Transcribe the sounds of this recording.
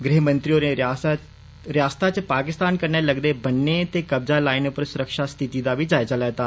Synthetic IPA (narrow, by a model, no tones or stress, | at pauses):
ɡɾiɦmənt̪ɾijoɾẽɾas | ɾjast̪ʰat͡ɕepakɪst̪aːnkəɾɳjaləɡd̪ebənːet̪ekəb̚d͡zalainpəɾsuɾəkʂast̪ʰit̪id̪abʱiːd͡zajt͡səlat̪aː